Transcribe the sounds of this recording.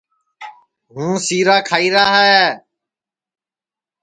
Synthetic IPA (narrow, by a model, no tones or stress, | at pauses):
ɦũːsiːɾaːkʰaːiːɾaːɦɛː